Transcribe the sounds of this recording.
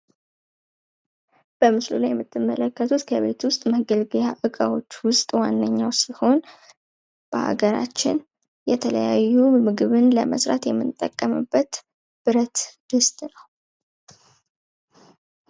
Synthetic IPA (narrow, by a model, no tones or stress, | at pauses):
b̥əmɨslulajɛmːɨt̪ʰːɨmːələkːət̪ʰut̪kʰəβe̞̰t̪wʊst̪ʼməɡəlɡəjaʔɨkʼawo̞t͡ʃːwʊst̪ʼwanːəɲːawsiho̞n | b̥əha̰ɡəɾa̰t͡ʃːɪ̰n | jɛt̪ʰələjajːumɨɡɨβɨnləmə̰sɾa̰t̪jɛmːɨnt̪ʼːəkʼːəmɨbːət̪ | b̥ɨɾət̪d̪̥ɨst̪ʼnəw